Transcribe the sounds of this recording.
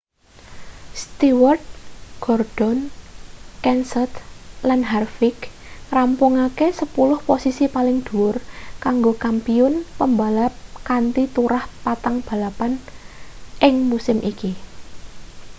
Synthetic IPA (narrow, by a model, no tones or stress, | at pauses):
st̪iwərt̪̚ɡ̥ɔrd̥ɔn | kɛnsət̪lanɦarfik | rampʊŋakesəpulʊhposisipalɪŋd̪̥uʊrkaŋɡokampiʊnpəmbalap̚kant̪it̪uɾahpat̪aŋb̥a̤lapan | ʔɪŋmusɪmʔiki